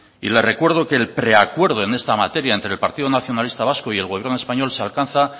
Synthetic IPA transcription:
ḭle̞re̞kwe̞ɾðo̞keːlpɾe̞akwe̞ɾð̞o̞e̞ne̞st̪amat̪e̞ɾjaent̪ɾelpaɾt̪iðo̞naθjo̞nalist̪aβasko̞ie̞lɣoβje̞ɾnoe̞spaɲo̞lsealkanθa

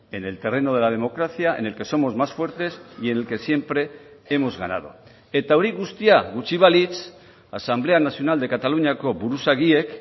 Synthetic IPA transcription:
e̞ne̞lt̪e̞re̞noð̞e̞lað̞e̞mo̞kɾaθiaʔe̞̰nelke̞so̞mo̞zmasfwe̞ɾt̪e̞sie̞nelke̞sje̞mpɾe̞emo̞zɣana̰ð̞o̰ | e̞t̪aoɾiɣust̪iaɣut͡ʃiβ̞alit͡s | a̰samble̞anasio̞nald̪e̞kat̪aluɲako̞βuɾusaɣie̞k

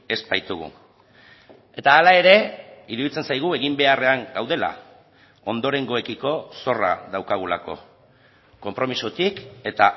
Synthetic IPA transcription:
e̞spajt̪uɣ̞ṵ | e̞t̪aːlae̞ɾe̞iɾuðit͡se̞nsajɣ̞ue̞ɣimbe̞are̞aŋɡawðe̞la̰ | o̞nd̪o̞ɾe̞ŋɡoe̞kiko̞so̞ra̰ðawkaɣula̰ko̞̰ | ko̞mpɾo̞misot̪ike̞t̪a

